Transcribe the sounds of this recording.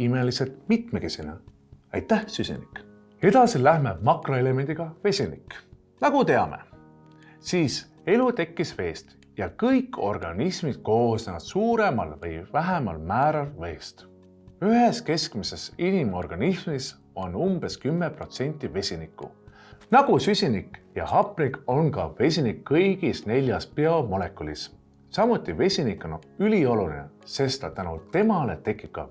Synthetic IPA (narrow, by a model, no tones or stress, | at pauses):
ime̞liselt̪mit̪meke̞sine | ɑjt̪ːˑæhsysʲḭnik | e̞d̪̥ɑsilæhmeb̚mɑkroe̞le̞me̞nd̪iɡ̥ɑve̞sʲinḭkː | nɑɡ̥ut̪e̞ɑme̞̰ | siːs | e̞lut̪e̞kˑːisve̞ːst̪ | jɑkɤjkːo̞rɡ̥ɑnismid̪̥̚ko̞ːsneɑt̪suːɾe̞mɑ̰lvɤjvæɦemɑ̰lmæːɾɑlve̞ːst̪ | yɦe̞ske̞skmise̞sinimo̞rɡ̥ɑnismis | o̞numb̥e̞skymːepro̞t̪se̞nʲt̪ʲːˑive̞sʲinikːˑṵ | nɑɡ̥usysʲinikjɑ̰hɑpˑːniko̞nkɑve̞sʲinikːɤjɡ̥isne̞lʲjɑspeomo̞le̞kːˑulis | sɑmut̪ːˑive̞sʲinikːˑo̞nylio̞lulinḛse̞st̪ɑt̪ænut̪e̞mɑle̞t̪e̞kːˑipkːɑ̰